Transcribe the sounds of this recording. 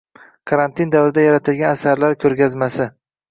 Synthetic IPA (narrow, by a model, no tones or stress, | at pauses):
kʰaɾant̪ʰɪnd̪avɾɪd̪ajaɾat̪ʰɪlɡʲanasaɾlaɾkʲʰɵɾɡʲazmasɪ